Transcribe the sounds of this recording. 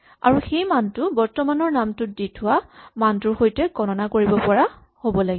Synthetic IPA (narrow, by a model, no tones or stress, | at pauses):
a̰ɹuxejmantʊbɔɹtɔmanɔɹnamtʊt̚ditʰʊwamantʊɹxojtɛkɔnɔnakoɹibɔpɔɹa | hobɔlaɡibɔ